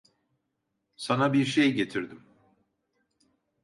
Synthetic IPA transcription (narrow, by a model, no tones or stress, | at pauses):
sanabiɾʃejɟe̞t̪ʰiɾd̪im